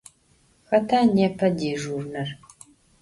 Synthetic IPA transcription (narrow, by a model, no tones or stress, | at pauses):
xɐtʰaːnɛpʰɐdeːʒurnɐr